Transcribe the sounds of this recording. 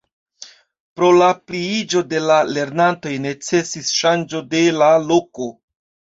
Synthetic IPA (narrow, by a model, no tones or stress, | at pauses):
pɾo̞lapliid͡ʒo̞de̞lale̞ɾnanto̞jne̞t͡se̞sisʃand͡ʒo̞de̞lalo̞ko̞